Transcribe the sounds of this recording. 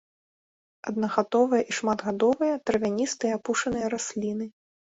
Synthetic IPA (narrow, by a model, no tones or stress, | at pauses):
ɐd̪̚nɐɣat̪ɔvɨjɐʔiʂmad̪ɣad̪ɔvɨjɐt̪ɾɐvʲanʲist̪ɨjɐapuʂɐnɨjɐɾasʲlʲinɨ